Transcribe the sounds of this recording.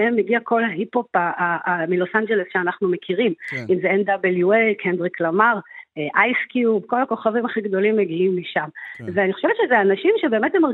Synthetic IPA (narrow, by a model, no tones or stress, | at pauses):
emːeɡiako̞laɦipho̞paaamilo̞sand͡ʒe̞lesʃeanaχnumekʰiʁimimzeendabeljuelkʰendʁiklamaʁeʔajskjubko̞lako̞χavimaχiɡd̪o̞limːeɡiimːiʃamveaniχo̞ʃevett͡ʃʃezeanaʃimʃebe̞ːmethemaʁ